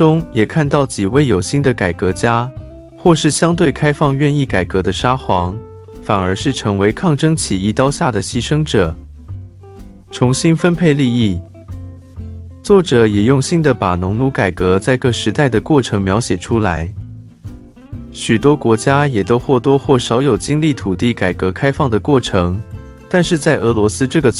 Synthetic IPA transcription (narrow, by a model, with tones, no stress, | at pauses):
ʊ˥ŋjɛ˨˩kʰa˥˧nt̪ɑ˥˩ʊt͡ɕi˨˩we˥˩ɪjo˨˩ʊɕi˥˩nd̪ə˨ka˨˩ɪkɤ˧˥t͡ɕja˥ | xwɔ˥˧ʂɻ̩˥˩ɕjɑ˥ŋt̪we˥˩ɪkʰa˥ɪfɑ˥˧ŋɥɛ˥˧ni˥˩ka˨˩ɪkɤ˧˥d̪ə˧ʂa˥xwɑ˧˥ŋ | fa˨˩nə˞˧˥ʂɻ̩˥˩ʈ͡ʂʰɤ˧˥ŋwe˧˥ɪkʰɑ˥˩ŋʈ͡ʂɤ˥ŋt͡ɕʰi˨˩i˥t̪ɑ˥ʊɕja˥˩d̪ə˩ɕi˥ʂɤ˥ŋʈ͡ʂɤ˨˩˦ | ʈ͡ʂʰʊ˧˥ŋɕi˥nfə˥npʰe˥˧ɪli˥˧i˥˩ | t͡swɔ˥˩ʈ͡ʂɤ˨˩˦jɛ˨˩jʊ˥˧ŋɕi˥˩ŋd̪ə˩pa˨˩nʊ˧˥ŋnu˧˥ka˨˩ɪkɤ˧˥t͡sa˥˧ɪkɤ˥˩ʂɻ̩˧˥t̪a˥˩ɪd̪ə˩kwɔ˥˩ʈ͡ʂʰɤ˧˥ŋmjɑ˧˥ʊɕjɛ˨˩ʈ͡ʂʰu˥la˧˥ɪ | ɕy˨˩t̪wɔ˥kwɔ˧˥t͡ɕja˥jɛ˨˩t̪o˥ʊxwɔ˥˩t̪wɔ˥xwɔ˥˩ʂɑ˧˥ʊjo˨˩ʊt͡ɕi˥ŋli˥˩t̪ʰu˨˩t̪i˥˩ka˨˩ɪkɤ˧˥kʰa˥ɪfɑ˥˩ŋd̪ə˩kwɔ˥˩ʈ͡ʂʰɤ˧˥ŋ | t̪a˥˧nʂɻ̩˥˧t͡sa˥˩ɪʔɤ˧˥lwɔ˧˥sɹ̩˥ʈ͡ʂɤ˥˩ɡə˩